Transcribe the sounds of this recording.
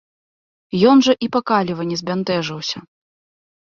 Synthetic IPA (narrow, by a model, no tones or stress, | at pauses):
jɔnʐɐʔipakalʲivɐnʲɛzʲbʲant̪ɛʐɐwsʲɐ